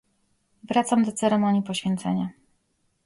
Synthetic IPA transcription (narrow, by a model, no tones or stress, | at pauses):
vɾat̪samd̪ɔt̪sɛɾɛmɔɲipɔɕfʲjɛnt̪sɛ̰ɲa